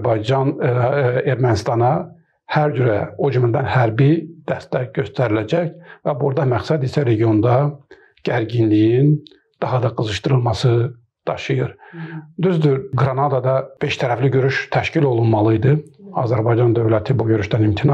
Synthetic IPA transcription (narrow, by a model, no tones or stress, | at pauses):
bɑjd͡ʒɑn | e̞ɾmænist̪ɑnɑ | hæɾd͡ʒyɾæod͡ʒymlæd̪ænhæɾbid̪̥æst̪æɟø̞st̪æɾilæd͡ʒæçvæbuɾd̪ɑmæxsæd̪isæɾe̞ɟijo̞nd̪ɑ | ɟ̥æɾɟinlijin | d̪̥ɑɦɑd̪ɑɡɯzɯʃt̪ɯɾɯlˠmɑsɯ | d̪̥ɑʃɯjɯɾd̪yzd̪yɡɾɑnɑd̪ɑd̪ɑb̥e̞ʃt̪ʰæɾæfliɟø̞ɾyʃt̪ʰæʃcilo̞lˠunmɑlˠɯjd̪ɯɑ̰zæɾbɑjd͡ʒɑnd̪ø̞vlæt̪ʰibuɟø̞ɾyʃd̪ænimt̪ʰinɑ